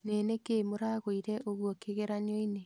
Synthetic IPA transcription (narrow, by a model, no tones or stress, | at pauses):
neːnekeːmoɾaɣoiɾɛʔoɣwɔkeɣeɾaɲɔine